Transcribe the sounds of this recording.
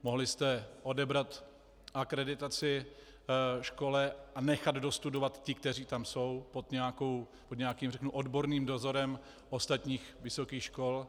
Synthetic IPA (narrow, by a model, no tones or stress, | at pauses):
moɦlɪst̪ɛʔo̞dɛbɾat̪ | ʔakɾɛdɪt̪at͡sɪ | ʃko̞lɛanɛxad̪do̞st̪udovat̪cɪk̚t̪ɛɾiːt̪amso̞wpod̪ɲɛakow | pod̪ɲɛakiːmrɛknuʔo̞dbo̞ɾniːmdo̞zo̞ɾɛm | ʔost̪at̪ɲiːxvɪso̞kiːxʃko̞l